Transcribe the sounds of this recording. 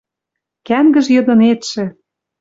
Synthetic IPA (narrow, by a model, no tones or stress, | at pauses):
kæmɡə̆ʒjɤ̆d̪ɤ̆net̪ʃĕ